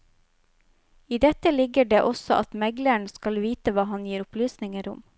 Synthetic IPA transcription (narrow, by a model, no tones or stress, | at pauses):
iːd̪ɛt̪əlɪɡəɖeːʔɔsɔʔɑt̪mɛɡləɳ̩skɑlʋiːt̪əʋɑːɦɑnjiːɾʊplyːsnɪŋəɾʊ̰m